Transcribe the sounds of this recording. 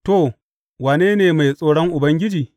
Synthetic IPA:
to˨ | waː˨neː˦neː˨ma˨jsʼoː˦ɽɔ˦ŋʔʊ˨bɐ˦ŋɡʲɪ˦d͡ʒiː˨

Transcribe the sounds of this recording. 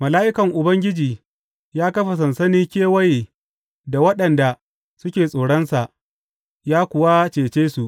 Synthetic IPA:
mɐ˨laː˦ʔɪ˦kɐ˨ŋʔʊ˨bɐ˦ŋɡʲɪ˦d͡ʒiː˨ | jaː˦kɐ˦ɸa˨s̬ɐ˨nsɐ˦niː˦kʲeː˦wɐ˦je˨ | da˨wɐ˦ɗɐ˨nda˨ | sʊ˦kʲeː˨sʼoː˨ɽɐ˦nsa˨ʔ | jaː˦kʷʊ˨wa˦t͡ʃeː˨t͡ʃeː˦su˨ʔ

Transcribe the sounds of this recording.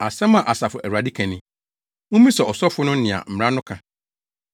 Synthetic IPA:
a˨sɛ̃˦mã˨ʔa˨sa˨fʊ˨ʔæ˨wa˨di˦kʰæ̃˨nɪ̃˨ | wʊ̃˦mĩ˦sɛ˨ɔ˨sɔ˦fʊ˦nʊ̃˦nɪ̃˨a̰˨m̩˨mɾã˦nʊ̃˦kʰã˨

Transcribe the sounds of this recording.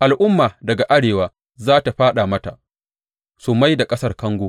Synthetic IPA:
ʔa˨lʔʊ˦mːaː˨dɐ˨ɡa˨ʔa˦ɽeː˨waː˦ | zaː˦ta˨ɸaː˦ɗa˨mɐ˦ta˨ | su˨ma˦jda˨kʼɐ˦sɐ˦rkɐ˦ŋɡʷoː˦

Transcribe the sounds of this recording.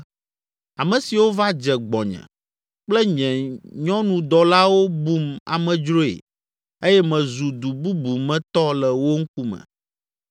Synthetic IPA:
a˨mɛ̃˨si˨wo˦va˦d͡ʒɛ˨ɡ͡bɔ̰˨ɲɛ̰̃˨ | k͡plɛ˦ɲɛ̃˨ɲɔ̃˦nũ˨d̪ɔ˨la˦wo˦bu˦ma̰˨mɛ̃˨d͡ʒɾo˦ḛ˨ | e˦jɛ˦mɛ̃˨zu˨d̪u˨bu˦bu˨mɛ̃˦t̪ɔ˦lɛ˨wo˦ŋ̩˦ku˦mɛ̰̃˨

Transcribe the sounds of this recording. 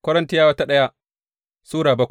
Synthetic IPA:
kʷɐ˦ɾɐ˦ntɪ˦jaː˦wɐ˦ta˦ɗɐ˦ja˦ | suː˦ɽaː˨bɐ˦kʷ

